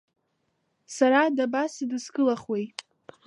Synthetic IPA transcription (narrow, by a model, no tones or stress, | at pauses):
saɾadabasɨdɨskɨlaχwej